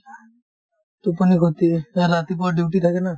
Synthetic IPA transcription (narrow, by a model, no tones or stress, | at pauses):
t̪uponiɡot̪iɛlat̪ipɔɖiwʈit̪ʰakena